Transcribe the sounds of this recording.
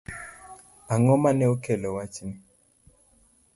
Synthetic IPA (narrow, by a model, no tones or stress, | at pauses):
aŋɔmanɛukʰɛlɔwat͡ʃʰim